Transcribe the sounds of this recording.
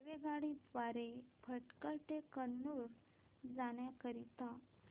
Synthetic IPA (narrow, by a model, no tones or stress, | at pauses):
ʋeɡaɽiʋaɾepʰəʈkəɭʈekənːuɾ | d͡zaɳjakəɾit̪a